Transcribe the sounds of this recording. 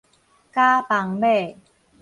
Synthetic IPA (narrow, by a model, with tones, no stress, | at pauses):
kaː˥˩pa˨˦ŋbeː˨˩